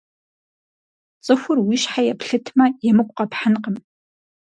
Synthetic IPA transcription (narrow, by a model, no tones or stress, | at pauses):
t͡sʼɨxʷʊrwiɕħajɛpʰɬɨtʰmɐjɛmɨkʷʼqɐpħanqəm